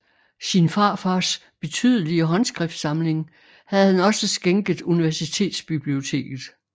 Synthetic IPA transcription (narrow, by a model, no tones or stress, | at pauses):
sinfɑ̈fɑs | b̥e̝t͡sʰyð̞ˠəliəɦɒ̽nsɡ̥ʁɛfd̥sɑ̈mle̝ŋ | hæð̞̩ˠhænɒ̽səsɡ̥eŋɡ̥ð̩ˠuniʋæɐsit͡sʰe̝̰ːd̥sb̥ib̥lio̝t͡sʰe̝̰ːɡ̥ð̞̩ˠ